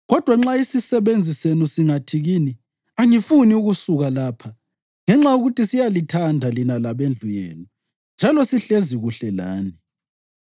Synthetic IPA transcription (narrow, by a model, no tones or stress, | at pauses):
ɣɔd̥ʱwaŋ͡ǁaisisɛβend͡zʱisenusiŋatʰiɣiːni | aŋifuniuɣusuɣalaːpʰa | ŋɛŋ͡ǁauɣutʰisijalitʰandʱalinalaβend͡ɮʱujɛ̰ːnɔ | nd͡ʒʱalɔsiɬeziɣuɬɛlaːni